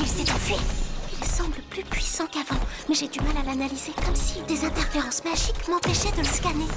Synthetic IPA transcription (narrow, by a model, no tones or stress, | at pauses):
ilsɛt̪ɑ̃fɛilsɑ̃bləplypɥisɑ̃kavɑ̃mɛʒed̪ymalalanalizekɔmsid̪ezɛ̃t̪ɛʁfeʁɑ̃smaʒikmɑ̃pɛʃɛd̪ələskane